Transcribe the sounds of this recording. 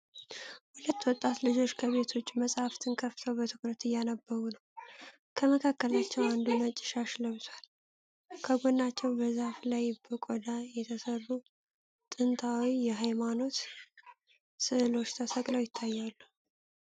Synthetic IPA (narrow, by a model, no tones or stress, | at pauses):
hulət̪ːwɔt̪ʼːat̪lɨd͡ʒo̞t͡ʃːkʰəβe̞t̪ʰo̞t͡ʃːməsʼhaft̪ʰɨnkʰəfɨ̥t̪ʰəwbət̪ʰɨkɾət̪ɨjːanəbːəɾunəw | kʰəməkʰakːəlat͡ʃːɛwand̪umət͡ʃʼːɪ̥ʃaʃləβzwal | kʰəɡo̞nːat͡ʃːɛwbəzaflajbəkʼod̪ajɛt̪ʰəsərːu | t̪ʼɨnt̪ʰawijɛɦajmano̞t̪ | sɨʔɨlo̞t͡ʃːt̪ʰəsəɡʼləwjɪt̪ʰːajːalːu